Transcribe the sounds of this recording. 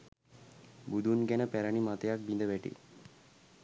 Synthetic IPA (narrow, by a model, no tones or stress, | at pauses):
bud̪unɡænəpæɾəɳimat̪əjak̚bind̪əʋæʈḭ